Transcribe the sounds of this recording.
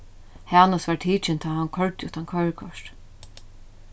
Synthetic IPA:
haːnasʋaɹt̪ʰiːt͡ʃɪnt̪ʰaːhankʰœɹt̪jʊht̪ʰankʰœɥɹkʰɔʂt̪

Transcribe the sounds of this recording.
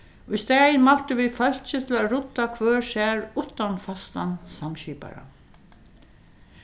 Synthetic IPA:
ʊjst̪ɛːjnmal̥t̪əʋifœl̥t͡ʃɪt̪ʰɪlaɾʊt̪ːakʰvœːɹsɛːɹʊht̪ːanfast̪ansamɕiːpa̰ɹa̰

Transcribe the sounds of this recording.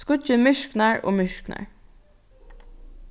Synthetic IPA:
kʊt͡ʃəmʏʃknæːɹʔo̰ːmʏʃknæ̰ːɹ

